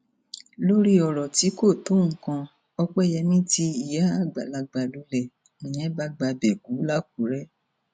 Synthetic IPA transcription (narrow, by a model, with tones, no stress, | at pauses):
lo˦ɾi˦ɔ˧˨ɾɔ˨ti˨˦ko˦˨to˦ŋ̩˦kã˧ | ɔ˧k͡pɛ˦˨jɛ˧nĩ˦ti˧i˨ja˨˦a˦˨ɡ͡ba̰˨la˧ɡ͡ba˧˨lu˨˦lɛ˨ | ĩ˨j̃ɛ̃˨˦ba˦ɡ͡ba˧bɛ˨ɡu˨˦la˦k̚u˨˦ɾɛ˦